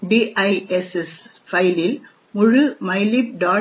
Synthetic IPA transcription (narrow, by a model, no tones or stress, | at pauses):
ɖiːʔɐɪeses | fɐɪlɪl | mʊɻɯmɐɪlip̚ɖaː